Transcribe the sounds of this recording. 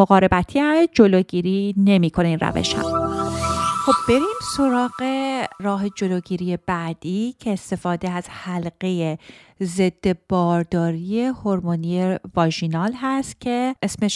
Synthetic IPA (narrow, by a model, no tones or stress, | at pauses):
oɣɒːɾe̞bæt̪ʰiæd͡ʒo̞loːɟiːɾiːne̞miːkʰo̞neinɾæ̰vḛʃhæ̰m | xo̞b̚be̞ɾiːmso̞ɾɒːɣe̞rɒːɦe̞d͡ʒo̞loːɟiːɾije̞bæːd̪̥iːcʰe̞ːst̪e̞fɒːd̪e̞æz̥hælɢe̞jeze̞d̪̥ːe̞b̥ɒːɾd̪ɒːɾije̞ho̞ɾmonievɒʒinɒːlɦæst̪cʰe̞ʔesmeʃ